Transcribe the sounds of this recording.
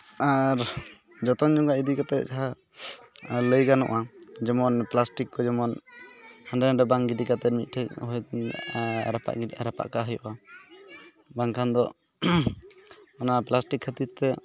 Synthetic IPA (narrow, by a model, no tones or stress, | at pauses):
aɾ | d͡ʒɔt̪ɔŋd͡ʒɔŋɡaid̪ikat̪ɛd͡ʒaɦa | ləjkanɔ̰ʔad͡ʒɛmɔnplasʈikːɔd͡ʒɛmɔn | haɳɖɛɾaɖɔbaŋɡiɖikat̪ɛmit̪̚ˀʈʰɛkɦɔj | ɾapa̰ʔɾapa̰ʔkaɦəjɔʔa | baŋkʰand̪ɔ | ɔnaplasʈikʰːət̪it̪t̪ɛ